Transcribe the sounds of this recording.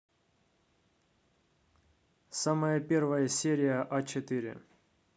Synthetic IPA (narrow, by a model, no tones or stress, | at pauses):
saməjəpʲervəjəsʲeɾʲɪjəʔat͡ɕɪt̪ɨɾʲɪ̰